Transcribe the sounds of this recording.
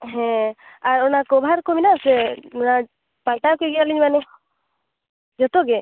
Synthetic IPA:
ɦɛ̃aɾɔnakɔbʱaɾkominasɛɔna | paʈakɔɡiaɾliɲmanɛ | d͡ʒɔt̪ɔɡɛ

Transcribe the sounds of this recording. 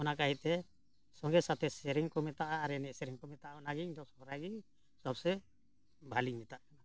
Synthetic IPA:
ɔnakaɦit̪ɛ | sɔŋɡɛsat̪ʰɛsɛɾiŋkɔmɛt̪aʔaːɾɛnɛsɛɾiŋkɔmɛt̪aʔaɔnaɡid̪ɔsɔɔɾaɡi | sɔb̚sɛ | bʱalimɛt̪aʔkana

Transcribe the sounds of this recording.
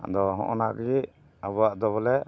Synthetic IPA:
d̪ɔɦɔ̰ʔɔ̰naɡi | abaʔd̪ɔβɔlɛ

